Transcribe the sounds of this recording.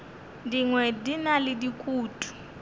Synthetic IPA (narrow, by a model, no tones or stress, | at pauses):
ndiŋwɛdinalidikʼuːtʰʼu̥